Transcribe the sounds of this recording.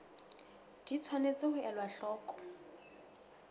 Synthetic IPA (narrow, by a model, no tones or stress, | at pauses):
d̥it͡sʰwanet͡sɪhʊʔɛlwaɬɔːkʼɔ̥